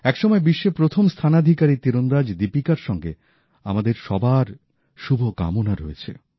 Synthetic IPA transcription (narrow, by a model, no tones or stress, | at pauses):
ɛkʃɔmɔebiʃːepɾot̪ʰomst̪ʰanad̪ʱikaɾit̪iɾond̪ad͡ʑd̪ipikaɾʃɔŋɡḛ | a̰mad̪eɾʃɔbaɾ | ʃubʱoka̰monaɾo̰jet͡ɕʰḛ